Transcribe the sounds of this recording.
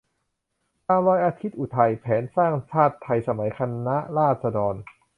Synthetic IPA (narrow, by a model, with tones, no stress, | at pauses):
t̪aː˧mɾɔː˧jʔaː˧t̪ʰi˦˥t̪̚ʔu˨˩t̪ʰa˧jpʰɛː˩˦nsaː˥˩ŋt͡ɕʰaː˥˩t̪ʰːa˧jsa˧ma˩˦jkʰa˧nːa˦˥ʔɾaː˥˩t̪̚sa˧dɔː˧n